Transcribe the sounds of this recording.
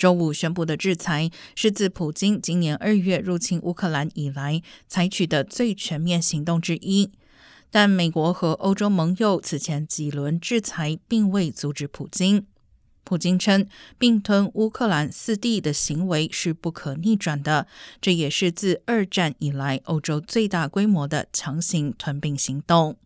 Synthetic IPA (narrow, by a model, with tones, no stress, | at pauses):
ʈ͡ʂo˥ʊu˨˩ɕɥɛ˥np̬u˥˩d̪ə˩ʈ͡ʂɻ̩˥˩t͡sʰa˧˥ɪʂɻ̩˥˧t͡sɹ̩˥˩pʰu˨˩t͡ɕi˥ŋt͡ɕi˥ŋnjɛ˧˥nʔə˞˥˧ɥɛ˥˧ɻu˥˩t͡ɕʰi˥nʔu˥kʰɤ˥˩la˧˥ni˨˩la˧˥ɪt͡sʰa˧˥ɪt͡ɕʰy˨˩d̪ə˦t͡swe˥˩ɪt͡ɕʰɥɛ˧˥nmjɛ˥˩nɕi˧˥ŋt̪ʊ˥˩ŋʈ͡ʂɻ̩˥ʔi˥ | t̪a˥˩nme˨˩ɪkwɔ˧˥xɤ˧˥ʔo˥ʊʈ͡ʂo˥ʊmɤ˧˥ŋjo˨˩ʊt͡sʰɹ̩˨˩t͡ɕʰjɛ˧˥nt͡ɕi˨˩lwə˧˥nʈ͡ʂɻ̩˥˩t͡sʰa˧˥ɪpi˥˧ŋwe˥˩ɪt͡su˧˥ʈ͡ʂɻ̩˧˥pʰu˨˩t͡ɕi˥n | pʰu˨˩t͡ɕi˥ŋʈ͡ʂʰɤ˥ŋpi˥˧ŋt̪ʰwə˥nu˥kʰɤ˥˩la˧˥nsɹ̩˥˧t̪i˥˩d̪ə˩ɕi˧˥ŋwe˧˥ɪʂɻ̩˥˧pu˥˩kʰɤ˨˩ni˥˩ʈ͡ʂwa˨˩nd̪ə˦ʈ͡ʂɤ˥˩jɛ˨˩ʂɻ̩˥˧t͡sɹ̩˥˧ə˞˥˧ʈ͡ʂa˥˩ni˨˩la˧˥ɪʔo˥ʊʈ͡ʂo˥ʊt͡swe˥˧ɪt̪a˥˩kwe˥ɪmwɔ˧˥d̪ə̰˧t͡ɕʰjɑ˧˥ŋɕi˧˥ŋt̪ʰwə˧˥npi˥˩ŋɕi˧˥ŋt̪ʊ˥˩ŋ